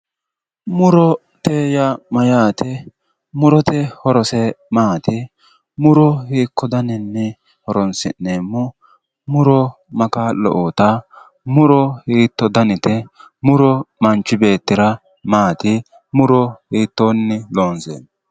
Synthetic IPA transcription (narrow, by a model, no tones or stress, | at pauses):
mʊɾɔ | t̪eːjɐmɐjaːt̪ɛ | mʊɾɔt̪ɛhɔɾɔsɛmaːt̪ɪ | mʊɾɔhiːkːɔd̪ɐnɪnːɛ | hɔɾɔnsɪ̰nːeːmːɔ | mʊɾɔ | mɐkalɔ̰ʔot̪ɐ | mʊɾɔhiːt̪ːɔd̪ɐnɪt̪ɛmʊɾɔmɐnt͡ʃːɪbe̞ːt̪ːɪɾɐ | maːt̪ɪ | mʊɾɔhiːt̪ːoːnːɪloːnsḛːn